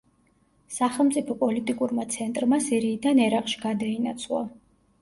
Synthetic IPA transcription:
saχɛlˠmt̪sʼipʰɔpʼɔlit̪ʼikʼuɾmat̪sʰɛnt̪ʼɾmasiɾiːd̪anɛɾaqʼʃi̥ɡad̪ainat̪sʰlˠa̰

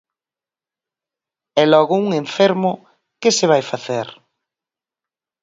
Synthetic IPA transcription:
ɛlɔɣʊuŋeɱfeɾmʊ | kɪsɪβajfaθeɾ

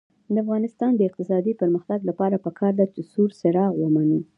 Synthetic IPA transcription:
d̪əafɣɑnɪst̪ɑnd̪əɪq̚t̪ɪsɑd̪ipəɾməxt̪aɡlapɑɾapəkʰɑɾd̪at͡ʃɪsuɾsɪɾɑɣwəmani

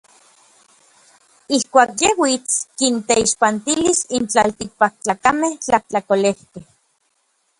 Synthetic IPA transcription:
ihkʷaːkjewit͡skint̪eiʃpant̪ilisint͡ɬalt̪ik̚pak̚t͡ɬaːkameht͡ɬaht͡ɬakolehkeh

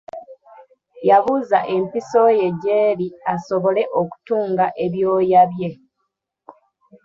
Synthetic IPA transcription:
jaβuzaʔe̞mpiso̞je̞ɟeːɾiasoβo̞le̞ʔoku̥tuːŋɡaʔe̞βjo̞ːjaβje̞

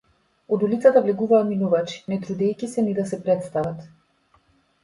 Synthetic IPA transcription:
ɔd̪ulit̪sat̪avlɛɡuvaːt̪minuvat͡ʃi̥nɛt̪ɾud̪ɛjcisɛnid̪asɛpɾɛt̪st̪avat̪

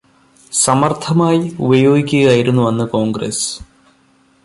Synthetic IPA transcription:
sɐmɐrt̪ʰɐmaːjiṵbɐjo̞ːɡikʲːuɣaːjiɾunːuʋɐnːɨko̞ːŋɡrḛs

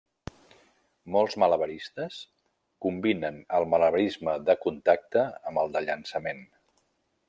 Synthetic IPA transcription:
mɔlˠzmələβəɾist̪əs | kumbinənəlˠmələβəɾizməðəkunt̪ak̚t̪əəmbəlˠd̪əʎənsəmen

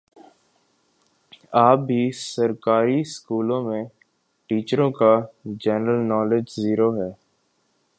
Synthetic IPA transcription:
aːp̚ːiːsəɾkaːɾiskuːlõːmẽ | ʈiːt͡ʃəɾõkad͡ʒɛːnɾəlnɔːlɪd͡ʒziːɾoːɦɛː

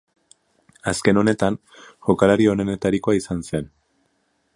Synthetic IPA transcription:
aske̞no̞ne̞t̪an | ʝo̞kalaɾio̞nene̞t̪aɾiko̞aisanse̞n

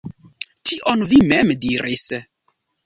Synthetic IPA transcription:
tʰiʔonvimemdiɾis

